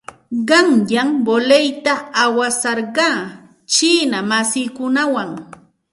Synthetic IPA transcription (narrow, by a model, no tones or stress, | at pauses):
ɢɑŋjambolejt̪aawasɑɾɢɑː | t͡ʃiːnamasɪːkʊnawaŋ